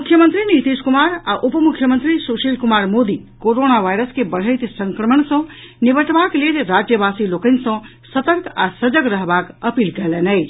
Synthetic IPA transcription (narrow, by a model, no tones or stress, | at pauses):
mukʰːjəmənt̪ɾinit̪iskumaɾaʔupəmukʰːjəmənt̪ɾisosilkumaɾmod̪ikoɾonaʋʱajɾəskebəɽ̤əjt̪səŋkɾəməɳsʌ̃ | nibəʈbaklelɾad͡ʒjəbasilokən̆sʌ̃ | sət̪əɾka̰səd͡ʒəɡɾəɦbakəpilkəɾlenəɪjt͡ʃʰ